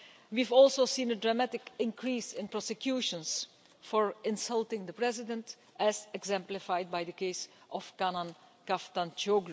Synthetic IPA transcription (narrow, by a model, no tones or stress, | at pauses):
wivɔlˠsosĩːnədɹamætɪkɪ̃nkʰɹiːsɪ̃npɹɔsɛkjuːʃə̃ns | fɔɹɪ̃nsʌlˠtɪ̃ŋd̪əpɹɛzɪdə̃nt | ʔɛzɛɡzɛ̃mplɪfajd̚bajdəkeɪs | ʔɔfkanãn | kaftãnt͡ʃoɡlu